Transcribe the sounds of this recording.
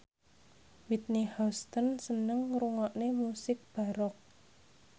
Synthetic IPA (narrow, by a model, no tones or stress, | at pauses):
wit̪̚nihɔst̪ənsənəŋɾuŋɔʔnemusɪk̚b̥aɾɔk̚